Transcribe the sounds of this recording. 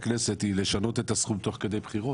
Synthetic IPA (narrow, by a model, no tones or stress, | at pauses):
kneset̪ileʃanot̪et̪asχubt̪o̞χked̪ejbχiʁo